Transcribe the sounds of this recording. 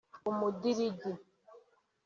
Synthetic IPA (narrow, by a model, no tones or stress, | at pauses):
umudiɾidi